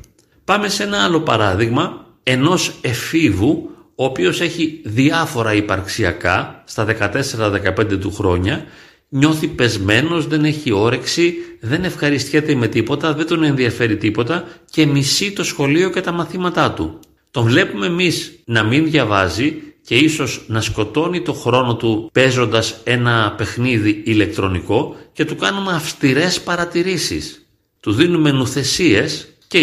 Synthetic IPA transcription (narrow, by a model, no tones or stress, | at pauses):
pɐme̞se̞nɐɐlo̞pɐ̰ɾɐðiɣmɐ | e̞no̞se̞fivuoːpio̞se̞çiðiɐfo̞ɾɐipɐɾksiɐ̰kɐst̪ɐðe̞kɐt̪e̞se̞ɾɐðe̞kɐpe̞nd̪e̞t̪uxɾo̞ɲɐ | ɲo̞θipe̞zme̞no̞zðene̞çio̞ɾe̞ksiðe̞ne̞fxɐɾist̪çe̞t̪eime̞t̪ipo̞t̪ɐðed̪o̞ne̞nðiɐfe̞ɾit̪ipo̞t̪ɐce̞misit̪o̞sxo̞lio̞ce̞t̪ɐmɐθimɐt̪ɐt̪ṵ | t̪o̞ɱvle̞pume̞ːmiznɐminðʝɐvɐ̰zice̞iso̞znɐsko̞t̪o̞nit̪o̞xɾo̞no̞t̪upe̞zo̞nd̪ɐse̞nɐpe̞xniðiːle̞k̚t̪ɾo̞niko̞ce̞t̪ukɐnumeɐfst̪iɾe̞spɐɾɐt̪iɾisḭs | t̪uðinume̞nuθe̞sie̞s | ce